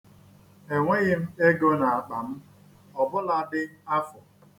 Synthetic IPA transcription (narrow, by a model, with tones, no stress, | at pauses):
e˨ŋʷe˦ɣɪ˦m̩˦e˦ɡo˦na˨a˨k͡pa˨m̩˦ | ɔ˨bʊ˦la˦dɪ˦a˦fʊ˨